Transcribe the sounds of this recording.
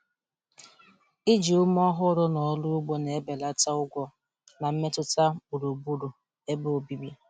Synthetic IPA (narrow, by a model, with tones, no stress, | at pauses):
i˦d͡ʒi˨ʊ˦m˦ɔ˦ɦʊ˦ɾʊ˦nɔ˨˦lʊ˦ʊ˦ɡ͡bo˦ne˨e˦be˨la˦ta˦ʊ˦ɡʷɔ˦ | na˨m̩˦me˦tʊ˦ta˦bu˨ɾo˨bu˦ɾo˨ | e˦bo˦o˨bi˦bi˦